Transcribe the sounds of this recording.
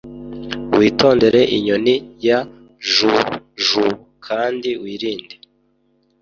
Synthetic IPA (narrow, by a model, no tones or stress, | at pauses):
wʔiːto̞ːnde̞ɾe̞ʔiɲonija | ʒuʒu | kʰaːndiwiːɾiːnde